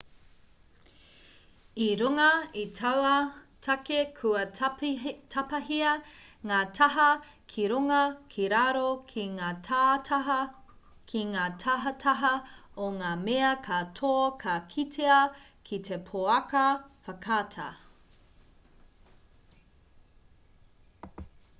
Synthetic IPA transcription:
iɾuŋɐitʰɐwɐtʰɐkekʰuɐ | tʰɐpɐɦiɐŋaːtʰɐɦɐ | kʰiɾuŋɐkʰiɾaɾokʰiŋaːtʰa | kʰiŋaːtʰɐɦɐtʰɐɦɐoŋaːmeɐkʰatʰokʰɐkʰitʰeɐkʰitʰepʰoɐkɐfɐkʰaːtʰɐ̰

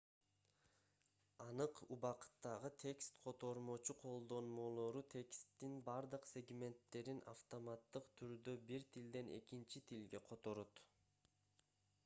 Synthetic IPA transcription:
ɑnɯqubɑqɯ̥t̪ːɑʁɯt̪ʰe̞kst̪qʰo̞t̪o̞ɾmo̞t͡ʃuqʰo̞lˠd̪o̞nmo̞lˠoɾut̪ʰe̞kst̪ːinbɑɾd̪ɯqsʲe̞ɡmʲe̞nt̪ːe̞ɾina̰ft̪omat̪ːɯqt̪ʰyɾd̪øbiɾt̪ʰild̪e̞ne̞̰kint͡ʃit̪ʰilɡe̞qʰo̞t̪o̞ɾot̪

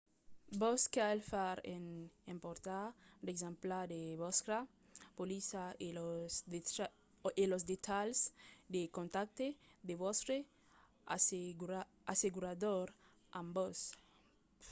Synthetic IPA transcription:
boskalfaɾenẽmpoɾt̪ad̪ekzẽmplaɾd̪eβoskɾa | polisaelos | elozd̪et̪alsd̪ekõnt̪ak̚t̪ed̪eβost̪ɾe | ɾa | aseɣuɾaðoɾ | ãmbos

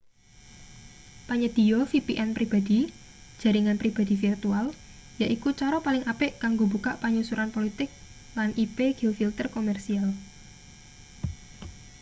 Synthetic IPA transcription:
paɲəd̪̥i̤ɔfipiʔɛnpɾib̥a̤d̪̥i | d̥ʒ̥a̤ɾiŋanpɾib̥a̤d̪̥ifirt̪ual | jaʔikut͡ʃaɾɔpalɪŋapɪʔkaŋɡobukaʔpaɲusuɾanpolit̪ɪk̚ | lanʔipeɡ̥ilfilt̪ərkomɛrsial

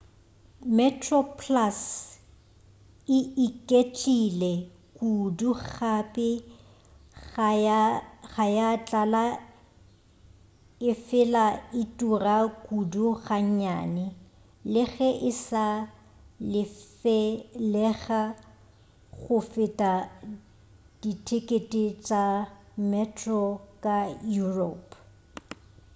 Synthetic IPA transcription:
mɛtʰrɔpʰlas | ɪikʼet͡ʃʼilɛ | kʼuduɣχapʼɪ | aχajat͡ɬʼala | ɪfɪlaɪtʼurakʼuduɣaɲ̩ɲa̰ːnɪ | lɪɣɛʔɪsa | lɪ | ɛlɛɣa | ɣʊfɪtʼa | d̥itʰɪkʼetʼɪt͡ʃʼa | mɛtʰrɔkʼajurɔ̰pʰ

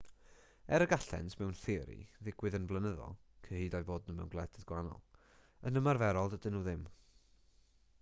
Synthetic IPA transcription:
ɛɾəɡaɬɛ̰ntʰmɛwnθɪɾḭðɪɡwɨðənvlˠənəðɔ̰lˠkʰəhiːdajboːdnəmɛ̰wnɡlˠɛdʰəðɡ̥wanɔ̰lˠ | ənəmarvɛɾɔlˠdədɪnuːðɪm

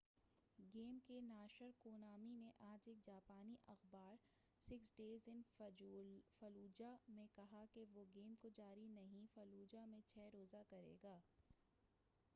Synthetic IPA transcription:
ɡeːmkenaːʃəɾkoːnaːmineʔaːd͡ʒeːk̚d͡ʒaːpaːniʔɐxbaːɾ | sɪksɖeːzɪn | fɐluːd͡ʒamẽkɐɦakeʋoɡeːmkod͡ʒaːɾinɐɦĩfɐluːd͡ʒamẽt͡ʃʰɛːɾoːzakɐɾḛːɡaː

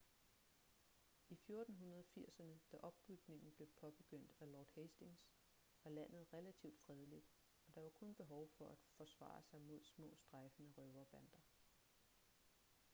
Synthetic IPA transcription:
ifjo̝ɐd̥n̩ɦunɐð̞ˠɒfiɐ̰sɐnəd̥æʔɒ̽b̥b̥yɡ̥ne̝ŋn̩b̥le̝pʰɒ̽b̥e̝ɡ̥øn̰d̥ælɒːd̥hesd̥e̝ŋs | ʋɑ̈læn̰ð̞̩ˠʁɛlæt͡sʰiʊd̥fʁɛð̞ˠlid̥ | ɒ̽d̥ɑ̈ʋɑ̈kʰɔ̽nb̥e̝ɦɒʊfɒ̽ʔæd̥fɒ̽sʋɑ̰̈sɑ̈ɪmo̝ð̞̰ˠsmɔ̰̽ːsd̥ʁɑ̈fənəʁœʊɐb̥ænd̥ɐ

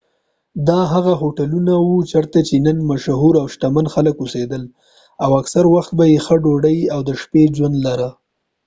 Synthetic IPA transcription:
d̪ɑɦaɣaɦoʈalunawut͡ʃaɾt̪at͡ʃenənmaʃɦuɾawʃʈ̪amanxaləkused̪əl | awaksaɾwaxt̪̚bajexəɖoɽajawd̪əʃped͡ʒwand̪laɾa

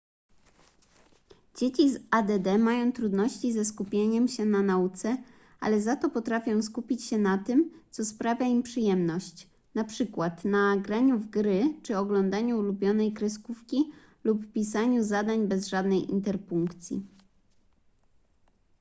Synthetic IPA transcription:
d͡ʑet͡ɕizad̪ɛd̪ɛmajɔ̃w̃t̪ɾud̪nɔɕt͡ɕizɛskupʲjeɲɛmɕɛnanaut̪sɛ | a̰lɛzat̪ɔpɔt̪ɾafʲjɔ̃w̃skupʲit͡ɕɕɛnat̪ɘmt̪sɔspɾavʲjaimpʂɘjɛmnɔɕt͡ɕ | napʂɘkwat̪naɡɾaɲuvɡɾɘt͡ʂɘɔɡlɔnd̪aɲuːlubʲjɔnɛjkɾɛskufkʲi | lupːpʲisaɲuzad̪aɲbɛzʐad̪nɛjʔḭnt̪ɛɾpuŋkt̪sʲjḭ

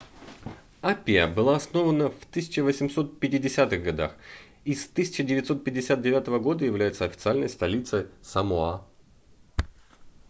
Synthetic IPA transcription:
apʲɪjəbɨlˠaɐsno̞vənəft̪ɨsʲɪt͡ɕɪvəsʲɪmso̞t̪̚pʲɪtʲɪdʲɪsʲat̪ɨɣɡɐd̪a̰x | ist̪ɨsʲɪ̥t͡ɕɪdʲɪvʲɪt̪so̞t̪̚pʲɪdʲɪsʲat̪̚dʲɪvʲat̪əvəɡo̞d̪əjɪvlʲæjɪt̪səɐfʲɪt̪sɨalʲnəjst̪ɐlʲit̪səjsəmʊa

